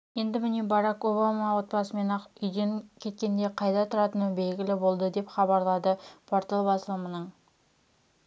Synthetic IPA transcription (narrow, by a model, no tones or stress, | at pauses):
je̞nd̪ɪmɪnebɑɾɑko̞bamɑwo̞t̪̚pɑsəme̞nɑʏjd̪e̞ŋkʲʰe̞t̪̚kʲe̞nd̪e̞qʰɑjd̪ɑt̪ʰʊɾɑt̪ənəbe̞lɡʲɪlɪbo̞lˠd̪əd̪e̞pχɑbɑɾlˠɑd̪əpʰoɾt̪əlˠbɑsəlˠmənəɴ